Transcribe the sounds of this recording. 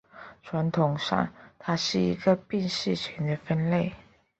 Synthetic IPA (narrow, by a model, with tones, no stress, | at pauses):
ʈ͡ʂʰwa˧˥nt̪ʰʊ˨˩ŋʂɑ̰˥˩ŋt̪ʰa˥ʂɻ̩˥˩ḭ˧˥ɡə˧pi˥˧ŋʂɻ̩˥˩t͡ɕʰɛ˧˥nd̪ə˧fə˥nle˥˩ɪ